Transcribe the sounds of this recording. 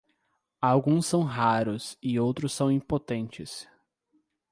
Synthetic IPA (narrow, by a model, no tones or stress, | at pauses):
awɡũsːɐ̃w̃ɦaɾʊsɪowt̪ɾʊsːɐ̃w̃ĩpot̪ẽnt͡ʃɪs